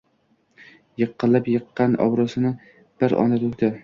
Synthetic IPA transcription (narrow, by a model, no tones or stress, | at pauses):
jɨqʰːɨlˠapjɨqːɑnɒ̰wɾɒsɪnɪ | b̥ɪɾɒ̰nad̪ʊkd̪ɪ